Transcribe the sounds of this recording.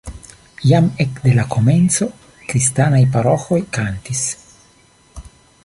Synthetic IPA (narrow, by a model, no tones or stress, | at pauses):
jamekd̪e̞lako̞me̞nt͡so̞ | kɾistanajpaɾo̞xo̞jkantis